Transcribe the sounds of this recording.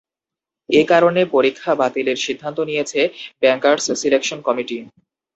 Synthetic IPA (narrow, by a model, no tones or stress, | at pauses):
ekaɾonepoɾikʰːabat̪ileɾʃid̪ʱːant̪onijet͡ɕʰebɛŋkaɾssilekʃonkɔmiʈi